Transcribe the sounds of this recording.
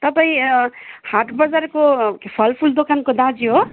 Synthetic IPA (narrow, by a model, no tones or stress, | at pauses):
t̪əbəĩ | haʈʰbəzəɾkokpʰəlpʰuld̪okankod̪ad͡ʒiɦo